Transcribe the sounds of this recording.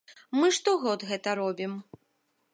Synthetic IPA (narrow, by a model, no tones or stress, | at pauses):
mɨʂt̪ɔɣɔd̪ɣɛt̪ɐɾɔbʲim